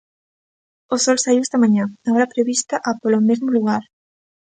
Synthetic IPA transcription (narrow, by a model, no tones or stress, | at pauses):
osɔlsaiwest̪ɐmãɲãaoɾapɾeβist̪aʔapolomezmoluɣ̞aɾ